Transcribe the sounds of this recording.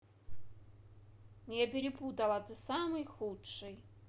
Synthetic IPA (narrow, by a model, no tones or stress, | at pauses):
nʲɛpʲiɾʲiput̪ɐlˠɐt̪ɨsamɨjxutʂɨj